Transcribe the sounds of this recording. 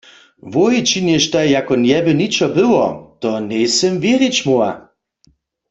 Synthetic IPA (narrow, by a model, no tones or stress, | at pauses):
vojit͡ʃinjɛʃt̪ajjakɔnjɛbɘnit͡ʃɔbɪwɔt̪ɔnɛjsɛmvjeʁjet͡ɕmoa̰